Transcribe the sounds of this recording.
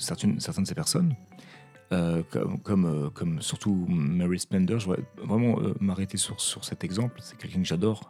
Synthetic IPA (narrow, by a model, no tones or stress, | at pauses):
sɛʁt̪ɛnsɛʁt̪ɛnd̪əsepɛʁsɔn | økɔ̰kɔmøkʰɔmsyʁt̪umaʁisplɛ̃nd̪œʁʒəvʁɛ̰vʁɛmɑ̃ø̰maʁet̪esyʁsyʁsɛt̪ɛɡzɑ̃plsɛ̥kʲɛlkʲɛ̃kəʒad̪ɔːʁ